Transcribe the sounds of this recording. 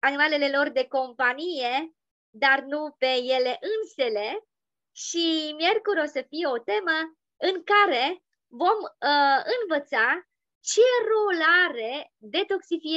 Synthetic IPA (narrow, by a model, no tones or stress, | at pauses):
animale̞le̞lo̞rd̪e̞ko̞mpanije̞ | d̪arnupe̞je̞le̞ʔɨnse̞le̞ | ʃimje̞rkuɾʲo̞səfijeo̞t̪e̞mə | ɨŋkaɾe̞ | vo̞mɨnvət̪sa | ʃirolaɾe̞ | d̪e̞t̪o̞ksifi